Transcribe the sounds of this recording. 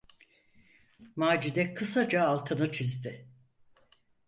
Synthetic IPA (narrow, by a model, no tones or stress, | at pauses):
maːd͡ʒid̪ɛkʰɯsad͡ʒaːlˠt̪ʰɯnɯt͡ʃʰizd̪ɪ